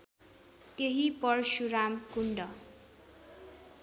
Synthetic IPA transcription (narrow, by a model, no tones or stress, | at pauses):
t̪eɦipʌrsuɾamkuɳɖʌ